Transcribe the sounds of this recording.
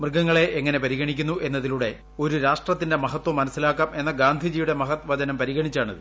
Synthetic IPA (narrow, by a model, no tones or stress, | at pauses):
mrɡɐŋːɐɭe̞ʔeŋːɐne̞pɐɾiɣɐɳikʲːunːuʔe̞nːɐðiluɽe̞ | o̞ɾuɾaːʂʈrɐt̪ːinde̞mɐɦɐt̪ːwɐmːɐnɐsːilaːkːaːmʔe̞nːɐɡaːnd̪ʱid͡ʑijuɽe̞mɐɦɐt̪ʋɐd͡ʑɐnɐmpɐɾiɣɐɳit͡ɕːaːɳɐ̰ðɨ